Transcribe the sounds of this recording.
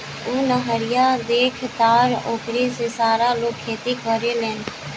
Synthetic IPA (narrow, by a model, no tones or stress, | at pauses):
oːnəɦəɾɪjaːd̪eːkʰt̪aːɾoːkɾeːseːsaːɾaːloːkʰːeːt̪iːkʋəɾeːlɛːn